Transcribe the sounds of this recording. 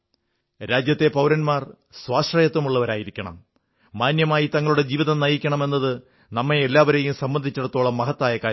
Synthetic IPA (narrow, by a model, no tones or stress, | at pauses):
ɾaːd͡ʑjɐt̪ːe̞pɐwɾɐnmaːr | swaːʂrɐjɐt̪ːɐmuɭːɐʋɐɾaːjiɾikʲːɐɳɐ̰mː | aːnjɐmaːjit̪ɐŋːɐɭuɽe̞d͡ʑiːʋiðɐmnɐjikʲːɐɳɐme̞nːɐðɨ | nɐmːeelːaːʋɐɾejumsɐmbɐnd̪ʱit͡ɕːɐɽɐt̪ːo̞ːɭɐmːɐɦɐt̪ːaːjɐkaː